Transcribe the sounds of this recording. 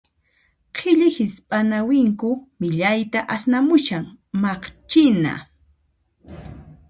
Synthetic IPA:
qʰɪʎɪhɪspʼanawɪŋkʊmɪʎajt̪aʔasnamʊʃaŋmɑχt͡ʃɪna̰

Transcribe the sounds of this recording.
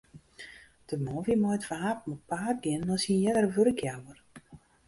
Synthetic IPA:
d̥əmɔːvimɔjtfaapmut̚paːr̚ɡɪndɔsinjɛdərʋørəkjawər

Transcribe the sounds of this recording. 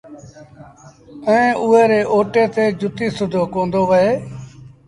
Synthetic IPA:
əẽːʔʊɦeːɾeːʔoːʈeːt̪eːd͡ʒʊt̪iːsʊd̪ʱoːkoːnd̪oːʋəeː

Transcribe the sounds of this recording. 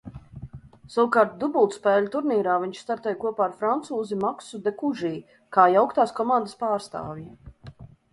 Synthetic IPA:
sawkaːɾt̪̚d̪ubulˠt̪spɛːlʲut̪uɾniːɾaːviɲʲt͡ʃst̪aɾt̪ɛjkuɔpaːɾfɾant̪suːzimaksud̪ekuʒiː | kaːjawkt̪aːskɔmand̪əspaːɾst̪a̰ːvʲi

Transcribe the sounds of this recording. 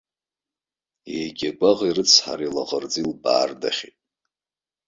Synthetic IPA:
ejɡʲaɡʷʼaʁirɨt͡sʰħa̰ɾilaʁʼərd͡zilba̰ːrda̰χʲitʼ

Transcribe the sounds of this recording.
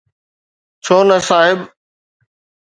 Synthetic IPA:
t͡ɕʰoːnəsaːɦɪb

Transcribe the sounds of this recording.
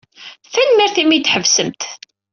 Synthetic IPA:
θænmæɾθimid̪ħəvsəmt̪

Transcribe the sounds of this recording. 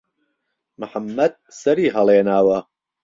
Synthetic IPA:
mʊħamːɐd̪̚sɐɾiːɦɐlˠeːnaːwɐ

